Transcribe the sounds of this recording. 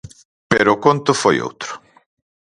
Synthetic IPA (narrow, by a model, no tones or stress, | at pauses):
peɾoːkont̪ʊfojo̰wt̪ɾʊ̥